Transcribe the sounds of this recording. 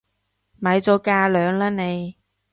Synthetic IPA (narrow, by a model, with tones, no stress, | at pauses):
mɐ˨˧jt͡sɔ˨˧˥kaː˧lœː˨˧ŋlaː˥ne˨˧j